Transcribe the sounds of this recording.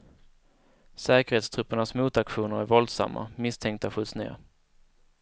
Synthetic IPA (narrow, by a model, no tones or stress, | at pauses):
sɛːkəɾheːt̪st̪ʰɾɵpːəɳasmuːt̪akɧuːnəɾæɾvɔld̪sa̰mːa̰mɪst̪ʰɛŋk̚t̪aɧɵt̪snɪŋə̰ɾ